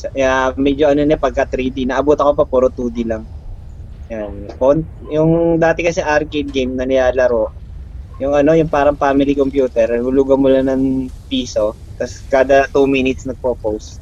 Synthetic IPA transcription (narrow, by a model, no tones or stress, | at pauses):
sɐamɛd͡ʒoʔɐnonɛpɐɡ̚kɐt̪ɾiːd̪inɐʔɐbuːt̪ɐkopɐpuːɾot̪uːd̪ɪlɐŋ | janʔon | jʊŋd̪aːt̪ɛkɐsɛʔaɾkejd̪̚ɡejmnɐnɪjaːlɐɾo̞ʔjʊŋʔɐno̞jʊŋpaːɾɐŋfaːmɪlikompjuːt̪ɛɾhʊluːɡɐŋmʊlanɐŋpiːso̞t̪ɐskaːd̪ɐt̪umiːnɪt̪̚snɐɡ̚popowst̪̚